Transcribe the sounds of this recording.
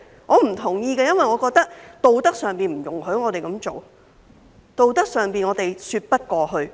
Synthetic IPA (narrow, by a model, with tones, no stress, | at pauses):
ŋɔː˨˧m̩˨˩t̪ʰʊ˨˩ŋjiː˧kɛː˥˧jɐ˥nwɐ˨jŋɔː˨˧kɔː˧k̚t̪ɐ˥k̚t̪o˨˧wt̪ɐ˥k̚sœː˨ŋpiː˨˧nm̩˨˩jʊ˨˩ŋɦɵ˨˥ŋɔː˨˧t̪e˨jkɐ˨˥mt͡ʃo˨w | t̪o˨˧wt̪ɐ˥k̚sœː˨˩ŋpiː˨nŋɔː˨˧t̪e˨˩jsyː˧t̚pɐ˥t̚kɔː˧ɦɵ˧ɥ